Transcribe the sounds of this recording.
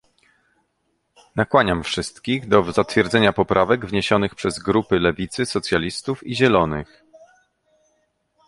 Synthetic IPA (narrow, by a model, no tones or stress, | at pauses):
nakwaɲamfʂɘst̪kʲiɣd̪ɔzat̪fʲjɛɾd̪zɛɲapɔpɾʔavɛɡvɲeɕɔnɘxpʂɛzɡɾupɘlɛvʲit̪sɘsɔt̪sʲjalʲist̪ufiʑɛlɔnɘ̰x